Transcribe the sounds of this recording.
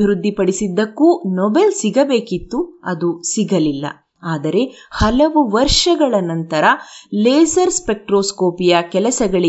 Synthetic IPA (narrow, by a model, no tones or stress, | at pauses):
iɾud̪ʱːipɐɽisid̪ːɐkːunɔbelsiɡɐbe̞ːkit̪ːuɐd̪usiɡɐlilːɐ̰ | aːd̪ɐɾe̞ | hɐlɐʋuʋɐɾʂɐɡɐɭɐnɐnt̪ɐɾɐleːsɐɾspe̞k̚ʈɾoːskoːpijɐkɛlɐsɐɡɐɭi